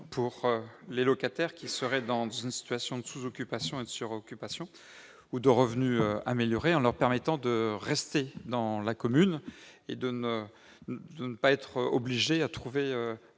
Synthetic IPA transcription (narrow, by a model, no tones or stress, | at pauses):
pʰuʁølelɔkat̪ɛʁkʲisəʁɛd̪ɑ̃zynsi̥t̪ɥasjɔ̃d̪əsuzɔkʲypasjɔ̃ed̪əsyʁɔkʲypasjɔ̃ | ud̪əʁəvnyøa̰meljɔʁeɑ̃lœʁpɛʁmɛt̪ɑ̃d̪əʁɛst̪ed̪ɑ̃lakɔmyned̪ənə | d̪ənəpaɛt̪χɔbliʒeat̪χuveø